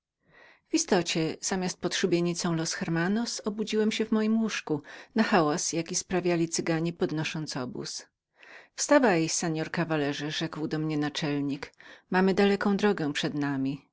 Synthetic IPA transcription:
v̥ist̪ɔt͡ɕɛz̥amʲjast̪̚pɔt̪ʂubʲjeɲit̪sɔ̃w̃lɔsxɛɾmanɔsɔbud͡ʑiwɛmɕɛvmɔjimwuʂkunaxawasjakʲispɾavʲjalʲit̪sɘɡaɲipɔd̪nɔʂɔnt̪sɔbṵs | fst̪avajjsɛɲɔɾkavalɛʐɘʐɛkwd̪ɔmɲɛnat͡ʂɛlɲikmamɘd̪alɛkɔ̃w̃d̪ɾɔɡɛ̃pʂɛd̪namʲi

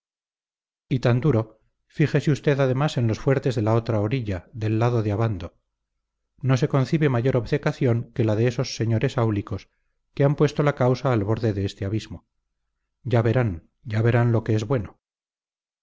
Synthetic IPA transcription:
it̪and̪uɾo̞ | fixesiust̪e̞ðað̞e̞mase̞nlo̞sfwe̞ɾt̪e̞zðe̞lao̞t̪ɾaoɾiʎaðe̞lːaðo̞ðeaβand̪o̞ | no̞s̬e̞konθiβe̞maʝo̞ɾo̞βse̞kaθjo̞ŋke̞laðe̞eso̞sːe̞ɲo̞ɾe̞sawliko̞s | keampwe̞st̪o̞lakawsaːlβo̞ɾðe̞ðe̞est̪eaβizmo̞ | ɟ͡ʝaβe̞ɾan | ɟ͡ʝaβe̞ɾanlo̞ke̞ezβwe̞no

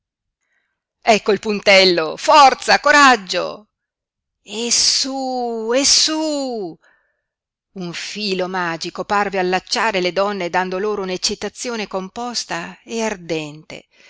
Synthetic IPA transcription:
ɛkːoilpunt̪ɛlːofɔrt̪sakoɾad͡ʒːo̰ | ɛsuɛsu | uɱfiːlomaːd͡ʒikoparvealːat͡ʃːaːɾeled̪ɔnːed̪and̪oloːɾounet͡ʃːit̪at̪sːjoːnekompɔst̪aeard̪ɛnt̪ḛ

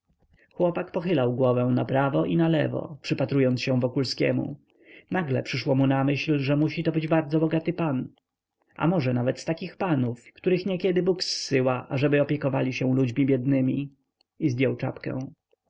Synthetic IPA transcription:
xwɔpakpɔxɘlawɡwɔvɛ̃w̃napɾavɔʔinalɛ̰vɔ̰pʂɘpat̪ɾujɔnt̪ɕɛ̃vɔkulskʲɛ̰mṵ | naɡlɛ̰pʂɘʂwɔmunamɘɕlʐɛmuɕit̪ɔbɘd͡ʑbaɾd̪zɔbɔɡat̪ɘpan | ʔa̰mɔʐɛnavɛt̪st̪akʲixpanufkt̪uɾɘxɲɛkʲɛd̪ɘbuksːɘwaʔaʐɛbɘɔpʲjɛkɔvalʲiɕɛ̃w̃lud͡ʑmʲibʲjɛd̪nɘmʲi | izd̪jɔwt͡ʂa̰pkɛ̰̃w̃

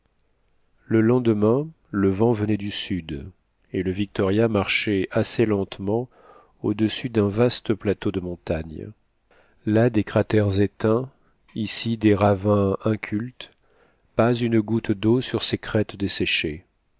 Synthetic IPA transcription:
ləlɑ̃d̪mɛ̃ | ləvɑ̃vənɛd̪ysyd̪ | eləvik̚t̪ɔʁjamaʁʃɛʔaselɑ̃t̪mɑ̃ | o̰d̪əsyd̪ɛ̃vast̪əplat̪od̪əmɔ̃t̪aɲ | lad̪ekχat̪ɛʁzet̪ɛ̃ | isid̪eʁavɛ̃ɛ̃kʲʰylt̪ | pazynɡut̪d̪osyʁsekχɛt̪d̪esɛʃe

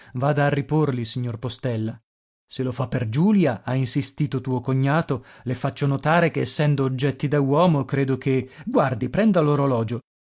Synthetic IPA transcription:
vaːd̪aːrːiporlisiɲːorpost̪ɛlːa | selofapːerd͡ʒuːljaainsist̪iːt̪ot̪uːokoɲːaːt̪olefat͡ʃːonot̪aːɾekeːsːɛnd̪oːd͡ʒːɛt̪ːid̪awɔːmokɾeːd̪ok̟eɡward̪ipɾɛnd̪aloɾolɔːd͡ʒo

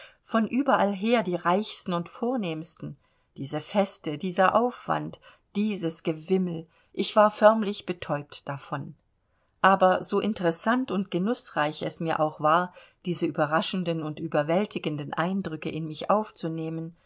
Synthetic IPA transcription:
fɔnʔyːbɐʔalɦeːɐdiːʁaɪçstn̩ʊntfoːɐneːmstn̩ | d̥iːzəfɛstədiːzɐʔaʊfv̥a̰nt | d̥iːzəsɡ̥əvɪml̩ | ʔɪçv̥aːɐfœɐmlɪçb̥ətʰɔʏp̚td̥afɔn | ʔaːbɐzoːʔɪntəʁɛsantʊnt̚ɡ̥ənʊsʁ̥aɪçɛsmiːɐʔa̰ʊxv̥aːɐd̥iːzəyːbɐʁaʃn̩dənʊntʔyːbɐvɛltɪɡəndənʔa̰ɪndʁʏkəʔɪnmɪçʔaʊft͡suneːmən

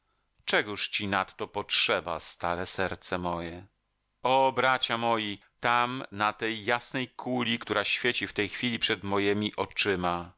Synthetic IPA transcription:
t͡ʂɛɡuʂt͡ɕinat̪ːɔpɔtʂɛba̰st̪aɾɛsɛɾt̪sɛmɔjɛ | ɔbɾat͡ɕamɔji | t̪amnat̪ɛjːasnɛjkʰulʲikt̪uɾaɕfʲjet͡ɕift̪ɛjxfʲilʲipʂɛd̪mɔjemʲiʔɔt͡ʂɘma

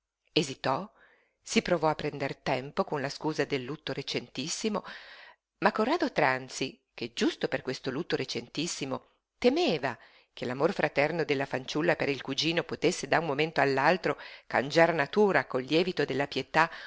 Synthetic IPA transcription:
ezit̪ɔ | sipɾovɔapːɾɛnd̪ert̪ɛmpokonlaskuːzad̪elːut̪ːoɾet͡ʃent̪isːimo | makːorːaːd̪ot̪ɾant̪si | ked͡ʒust̪operkwest̪olut̪ːoɾet͡ʃent̪isːimo | t̪emeːva | k̟ʰelamorfɾat̪ɛrnod̪elːafant͡ʃulːapeɾilkud͡ʒiːnopot̪esːed̪aummoment̪oalːalt̪ɾoka̰nd͡ʒaɾnat̪uːɾakolːjɛːvit̪od̪elːapjet̪a

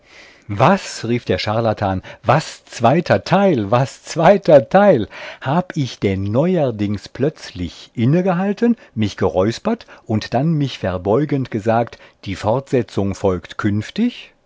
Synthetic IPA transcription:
vasʁiːfd̥eːɐʃaɐlatʰaːnvast͡sv̥aɪtʰɐtʰaɪlvast͡sv̥aɪtʰɐtʰaɪlhaːbəɪçd̥ɛnːɔʏɐdɪŋspʰlœt͡slɪçʔɪnəɡəɦaltənmɪçɡ̥əʁɔʏspɐtʔʊntd̥anmɪçfɛɐbɔʏɡəntɡ̥əzaːktd̥iːfɔɐtz̥ɛt͡sʊŋfɔlktkʰʏnftɪç

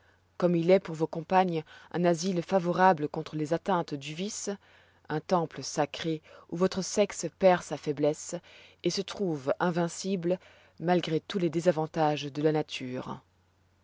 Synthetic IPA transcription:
kɔmilɛpuʁvokɔ̃paɲʔɛ̰̃nazilfavɔʁabləkɔ̃t̪χəlezat̪ɛ̃t̪d̪yvis | ɛ̃t̪ɑ̃pləsakχeuvɔt̪χəsɛkspɛʁsafɛblɛsesət̪χuvɛ̃vɛ̃siblə | malɡʁet̪uled̪ezavɑ̃t̪aʒd̪əlanat̪ʰyːʁ

